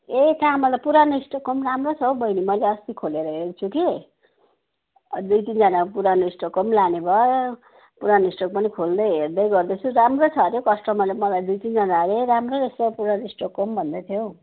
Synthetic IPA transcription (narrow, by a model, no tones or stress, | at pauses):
et̪aɦamʌlapuɾanʌisʈokːʌmramrot͡sʰʌwbʱʌinimʌjleʌst̪ikʰoleɾʌɦeɾt͡sʰuki | d̪ujt̪ind͡zʌnapuɾanʌisʈokʌmlanebʱʌ | puɾanisʈʌk̚pʌnikʰold̪ʌɦerd̪ʌjɡʌrd̪ʌt͡sʰuɾamrot͡sʰʌɾjokʌsʈʌmʌlamʌlajd̪ujt̪ind͡zʌnaɾeɾamroesʌpuɾanisʈokːʌmbʱʌnd̪at̪ʰjow